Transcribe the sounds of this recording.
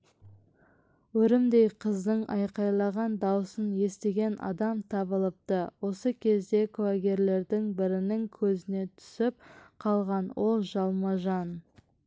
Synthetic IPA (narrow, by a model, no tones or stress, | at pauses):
wɵɾɪmd̪e̞jqʰəzd̪əɴɑjqɑjlˠɑʁɑnd̪ɑwəsənje̞st̪e̞ɡʲe̞nʔɑ̰d̪ɑmt̪ʰɑβəlˠəp̚t̪əwo̞səkʲʰe̞zd̪e̞kʰaɡʲe̞ɾle̞ɾd̪ɪŋbɪɾɪnɪŋkʲʰɵzɪne̞t̪ʰʏ̥sɪp̚qʰɑlˠʁɑnwʔo̞lˠʒɑlˠmɑʒɑn